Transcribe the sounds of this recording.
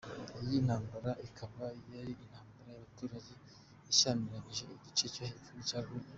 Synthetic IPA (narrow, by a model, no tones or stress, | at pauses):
ijin̥haːmbaɾaʔikʰaβajaɾiin̥haːmbaɾajaβatuːɾaɟe̞ | iʃaːniɾaɲiʒe̞iɟit͡ʃe̞t͡ʃahefuɾucaːɡuɾu